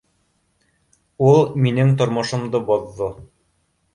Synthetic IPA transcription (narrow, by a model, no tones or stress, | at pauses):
ulˠminɘŋt̪ŏɾmŏʃŏmd̪ɤbŏðːo